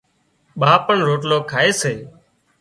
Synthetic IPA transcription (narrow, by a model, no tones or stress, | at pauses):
ɓaːpəɳɾoːʈ̬loːkʰaːeːseː